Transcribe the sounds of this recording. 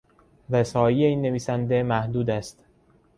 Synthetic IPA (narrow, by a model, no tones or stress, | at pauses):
ɾesɒːjiːeiːnːe̞viːsænd̪emæhd̪uːd̪æst̪